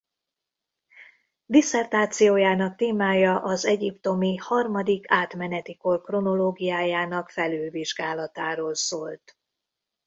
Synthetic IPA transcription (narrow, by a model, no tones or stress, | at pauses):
d̪isɛrt̪aːt̪sijoːjaːnɒkt̪eːmaːjɒʔɒzɛɟipt̪o̞mihɒrmɒd̪ikʰaːt̪mɛnɛt̪iko̞rkro̞no̞loːɡijaːjaːnɒkfɛlyːlviʒɡaːlɒt̪aːɾoːlsoːlt̪